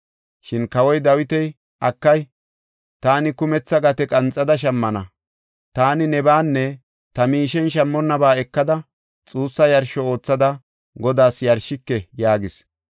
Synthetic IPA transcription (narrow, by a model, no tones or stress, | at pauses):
ʃɪnkɐwɔjd̪ɐwɪt̪ɛj | ʔɐkːɐj | t̪aːnɪkʊmɛt͡sːɐɡɐt̪ɛkʼɐnt͡sʼːɐd̪ɐʃ̬ɐmːɐnɐ | t̪aːnɪnɛbaːnːɛ | t̪ɐmiːʃɛnʃ̬ɐmːɔnːɐbaːɛkːɐd̪ɐ | t͡sʼuːsːɐjɐɾʃɔo̞ːt͡sːɐd̪ɐ | ɡɔd̪aːsjɐɾʃɪkːɛjaːɡɪs